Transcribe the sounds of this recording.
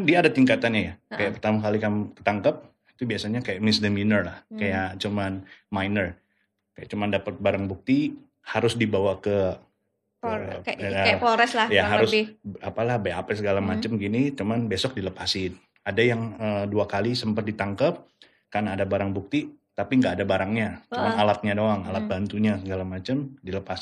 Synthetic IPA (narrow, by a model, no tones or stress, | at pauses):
diaːdat̪iŋkat̪anjajaajaʔpərt̪amakalikamkə̥t̪aŋkəp̚ | it̪ubiasaɲakajaʔmɪsdəminərlahkajat͡ʃumanmajnər | kajaʔt͡ʃumandapət̪̚baɾaŋbuk̚t̪i | haɾʊsdibawakə | oɾɛslajaɦaɾʊsapalahbaapɛsəɡalamat͡ʃəmɡinit͡ʃumanbesɔk̚diləpasɪn | adajaŋəduakalisəmpət̪̚dit̪aŋkəp̚ | karnaːdabaɾaŋbuk̚t̪it̪apiŋɡaːdabaɾaŋɲat͡ʃumanalat̪̚ɲadoaŋa̰lat̪̚bant̪uɲasəɡalamat͡ʃəmdiləpas